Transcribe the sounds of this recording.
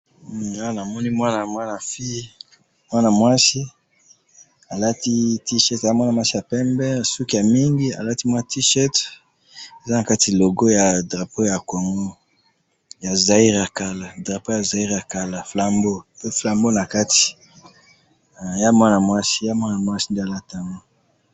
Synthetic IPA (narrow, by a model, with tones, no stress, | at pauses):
a˦a˦˨na˨mɔ˦ni˦mwa˦na˨mwa˦na˨fi˦ | mwa˦na˨mwa˦si˦ | a˨la˦ti˦ti˦ʃɛ˦ta˨ja˦mwa˦na˨mwa˦si˦a˨pɛ˦mbɛ˦a˨su˦ki˨ja˨mi˦ŋɡi˦a̰˨la˦ti˦mwa˦na˨ti˦ʃɛ˦t | e˨za˦na˨ka˦ti˨lo˨ɡo˦ja˨dʁa˨po˦ja˨ko˨ŋɡo˦ | ja˨za˨i˦ʁa˨ka˨la˨dʁa˨po˦ja˨za˨i˦ʁa˨ka˨la˨fla˨mbo˦pe˦fla˨mbo˦na˨ka˦ti̥˨ | ja˦mwa˦na˨mwa˦si̥˦ja˦mwa˦na˨mwa˦si˦nde˦a˨la˦ta˦ŋɡo˦